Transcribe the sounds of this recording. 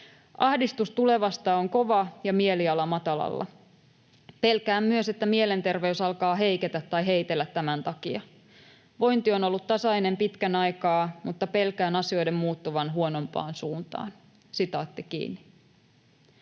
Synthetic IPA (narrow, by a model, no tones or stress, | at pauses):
ʔɑhdist̪ust̪ule̞ʋɑst̪ɑːoŋko̞ʋɑjɑmie̞liɑlɑmɑt̪ɑlɑ̰lːɑ̰ | pe̞lkæːmmyøse̞t̪ːæmie̞le̞nt̪e̞rʋe̞ysɑlkɑːɦe̞jket̪æt̪ːɑjɦe̞it̪e̞lːæt̪ːæmænt̪ɑkiɑ | ʋo̞jnt̪io̞no̞lːut̪t̪ːɑsɑine̞mpit̪kænɑjkɑːmut̪ːɑpe̞lkæːnɑsio̞jde̞mːmuːt̪ːuʋɑnɦuono̞mpɑ̰ːnsuːnt̪ɑ̰ːn | sit̪ɑːt̪ːikḭːnːi